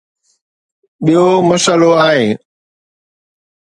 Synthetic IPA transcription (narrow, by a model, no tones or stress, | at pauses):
ɓijomɐsəloaːɦẽː